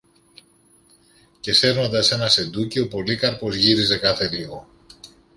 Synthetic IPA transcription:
ce̞se̞ɾno̞nd̪ɐse̞nɐse̞d̪uceopo̞likɐɾpo̞zʝiɾize̞kɐθe̞liɣo̞

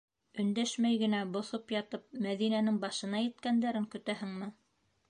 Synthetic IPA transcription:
ɵ̆nd̪æʃmæjɡɘ̆næbŏθopjɑt̪ɤp̚mæðinænɘŋbɑʃɤ̆nɑjɘ̆t̪kænd̪æɾɘŋkɵ̆t̪æɦɘŋmɘ

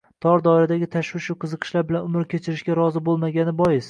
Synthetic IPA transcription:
t̪ʰɒɾd̪ɒɪɾad̪aɡʲɪt̪ʰaʃwɪʃʊqʰɨzɨqʰɨ̥ʃlaɾbɪlanʊmɾkʲʰe̞t͡ʃʰɪɾɪʃɡʲaɾɒzɪbolˠmaɡʲanɪbɒjɪs

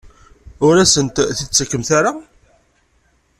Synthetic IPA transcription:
ʊɾæsənt̪θit͡sːəkːəmθaɾa

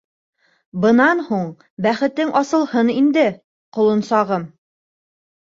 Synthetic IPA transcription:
bɤ̆nɑnhuɴ | bæχɘ̆t̪ɘŋʔɑsɤ̆lˠhɤnind̪ɘ | qŏlˠɤ̆nsɑʁɤm

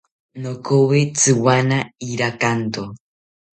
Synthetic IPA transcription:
nokowet͡sɨwanaiɾakant̪o

